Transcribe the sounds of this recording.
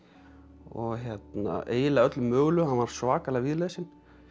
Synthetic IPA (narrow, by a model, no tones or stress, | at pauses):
ɔɣɦjɛt̪na̰ḛːjɪlaœt̪lʏmːœːɣlʏhanvaɾ̥svaːkalaɣviðleːsɪn